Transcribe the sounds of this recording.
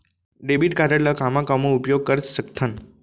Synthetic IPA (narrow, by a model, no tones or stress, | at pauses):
ɖebiʈkadəɽlakamãkamõupjoɡ̚kəɾsəkt̪ʰən